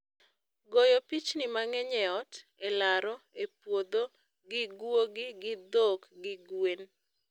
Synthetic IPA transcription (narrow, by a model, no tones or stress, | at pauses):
ɡojopit͡ʃnɪmaŋɛɲɛɔtelaɾɔepwod̪o | ɡɪɡwoɡɪɡɪd̪okɡɪɡwen